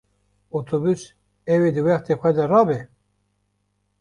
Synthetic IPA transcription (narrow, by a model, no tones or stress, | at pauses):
ot̪ʰobys | ɛwed̪ɨwɛxt̪ʰexʷɛd̪ɛrɑbɛ